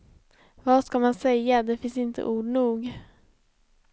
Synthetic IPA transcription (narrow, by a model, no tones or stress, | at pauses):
vaʂkamansɛjːad̪ɛfɪnsɪnt̪ʰə̰ʔuːɖɳuːɡ